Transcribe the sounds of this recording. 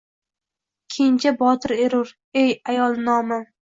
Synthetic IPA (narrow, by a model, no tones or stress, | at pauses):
kʲʰent͡ʃʰabɒt̪ʰɪɾeɾʊɾ | ejajɒlˠnɒma